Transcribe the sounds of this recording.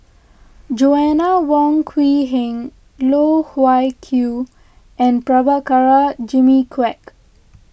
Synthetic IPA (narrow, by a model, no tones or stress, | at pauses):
d͡ʒoɛnawɔ̃ŋkʰwiɦɛ̃ŋ | loːhwajkʰju | ʔɛ̃npɾabakaɹad͡ʒimikʰwɛk